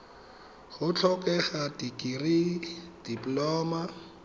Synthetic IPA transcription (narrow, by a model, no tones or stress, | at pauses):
hʊt͡ɬʰɔkʼɛɣatikʼirid̥iplɔːma